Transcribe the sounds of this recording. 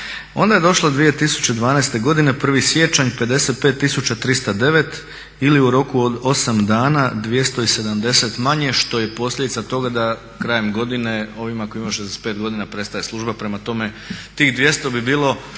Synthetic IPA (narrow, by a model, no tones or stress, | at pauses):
o̞̰nd̪ajed̪o̞ʃlˠod̪ʋije̞t̪isu̥t͡ɕe̞d̪ʋaːnaest̪e̞ɡo̞d̪ine̞pr̩ʋisje̞t͡ʃaɲpe̞d̪e̞se̞t̪̚pet̪ːisut͡ɕat̪ɾist̪ad̪e̞ʋe̞t̪ | iliuɾo̞kuod̪o̞samd̪aːnad̪ʋje̞st̪o̞ise̞d̪amd̪e̞se̞t̪maɲe̞ʃt̪o̞je̞po̞sʎʲed̪it̪at̪o̞ɡad̪a | kɾaːjemɡo̞d̪ine̞o̞ʋimako̞imaʃ̬ezd̪ese̥t̪peːt̪ɡo̞d̪inapɾe̞st̪ajeslˠuʒbapɾe̞mat̪o̞me̞ | t̪iːxd̪ʋje̞st̪o̞bibiːlˠo̞